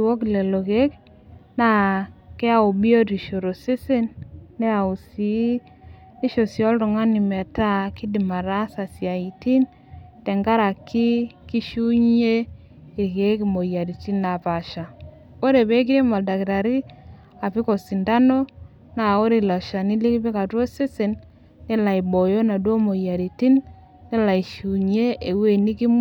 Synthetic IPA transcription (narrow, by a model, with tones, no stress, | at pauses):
wo˦klɛ˨lo˨ɣe˦k | na˦ke˦a˦o˨bi˦o˦ɾi˨ʃo˨ɾo˨se˦se˦nːɛ˦a˨u˨si˨˦ | i˦ʃo˨sjɔ˦lɾɔ˨ŋa˦ni˨mɛ˨ta˦ki˦di˨ma˨ɾa˦sa˨sja˨i˨ti˦n | tɛ˨ŋɡa˦ɾa˨ki˦ki˦ʃu˦ɲ˦e˦ | ki˨ɾke˦k̬i˨mo˨ja˨ɾi˨ti˦na˨pa˨ʃa˨ | o˦ɾe˨be˦k̬i˦ɾe˦ma˨lda˨ki˨ɾa˨ɾi˦ | a˨pi˦ko˨si˨nda˦no˦ | na˨o˦ɾi˨lɔ˨ʃa˨ni˦li˦ki˦pi˦ka˨two˦se˦se˨nː | e˦la˨i˨bo˨jo˦na˨du˦o˦mo˨ja˨ɾi˨ti˦nː | e˦la˨i˨ʃu˨ɲe˦ʔe˨we˦˨ni˦ki˦m